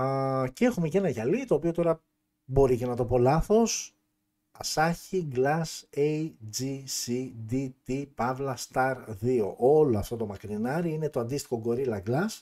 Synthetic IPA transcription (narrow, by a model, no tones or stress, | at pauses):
cee̞xume̞ce̞nɐʝɐlit̪o̞ːpio̞t̪o̞ɾɐ | bo̞ɾice̞nɐt̪o̞po̞lɐθo̞s | ɐsɐçiɡlɐsejd͡zisid̪it̪ipɐvlɐst̪ɐɾðio̞̰ʔoloɐft̪o̞t̪o̞mɐkɾinɐɾiine̞t̪oɐnd̪ist̪i̥xo̞ɡo̞ɾilɐɡlɐs